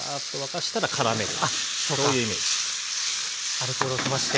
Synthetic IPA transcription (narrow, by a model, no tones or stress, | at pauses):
at̪ːoβakaɕi̥t̪aɾakʰaɾame̞ɾɯ̟a | sooːjɯ̟ime̞̰ːd͡ʑi̥ | aɾɯ̟k̪oɾosimaɕi̥t̪e